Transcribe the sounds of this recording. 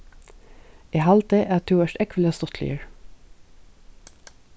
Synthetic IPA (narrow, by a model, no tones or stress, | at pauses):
eːhɑlt̪eːʔæːt̪ʰʉːœʃʈɛkʋəl̩ɑːst̪ɔt̪ʰlḭːəɹ